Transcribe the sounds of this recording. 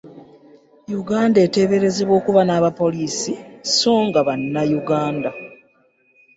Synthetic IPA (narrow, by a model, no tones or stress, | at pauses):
juɡaːnde̞te̞βe̞ɾe̞zeβwo̞ːkuβanaːβapo̞liːsiso̞ːŋɡaβanːajuɡaːnda